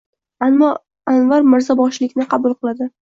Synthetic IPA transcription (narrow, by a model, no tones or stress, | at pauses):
anmːɒ | anvaɾmɪɾzabɒʃlɪkʲnɪqʰɑbʊlˠqɨlˠad̪ɪ